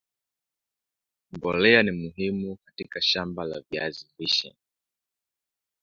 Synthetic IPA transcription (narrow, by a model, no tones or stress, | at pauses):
mbɔlɛanimuɦimukatikaʃambala̰via̰ziviʃɛ̰